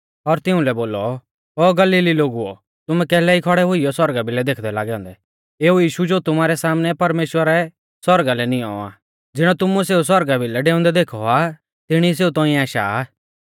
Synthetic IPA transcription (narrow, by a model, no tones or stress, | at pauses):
ɔɾt̪ɪ̃ʊ̃lɛboːlɔ | oːɡɐliːliloːɡuɔ̰ | t̪ʊmɛ̃kɛːlɛikʰɔɽɛɦʊijɔswɐɾɡabʱilɛd̪eːkʰd̪ɛlaːɡɛɔ̃ːnd̪ɛ | eːujiːʃud͡ʒot̪ʊmaːɾɛsaːmnɛpɐɾmeːʃwəɾɛ | sɐɾɡalɛnɪɔ̰a̰ː | d͡zɪɽ̃ɔt̪ʊmũseːus̬wɐɾɡabʱɪlɛɖeːʊ̃nd̪ɛd̪eːkʰɔa | t̪ɪɽ̃is̬eːut̪ɔ̃ːĩaːʃa̰